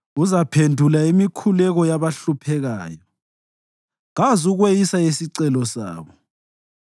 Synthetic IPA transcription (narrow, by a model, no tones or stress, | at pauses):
uzapʰendʱulaimikʰulɛɣɔjaβaɬupʰɛɣa̰ːjɔ | ɣazuɣwejisaisiǀɛlɔsa̰ːβɔ